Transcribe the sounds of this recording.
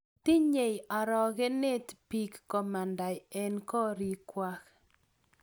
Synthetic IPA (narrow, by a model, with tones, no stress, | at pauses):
ti˦ɲe˨ja˨ɾɔ˨ɣe˦ne˦tpi˦kːɔ˨ma˨nda˨jɛ˦nkɔ˦ɾi˦kwa˦k